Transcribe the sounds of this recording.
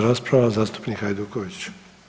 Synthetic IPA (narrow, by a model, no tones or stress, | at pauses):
ɾaːspɾaʋazaːst̪u̥pnikajd̪ukoʋit͡ɕ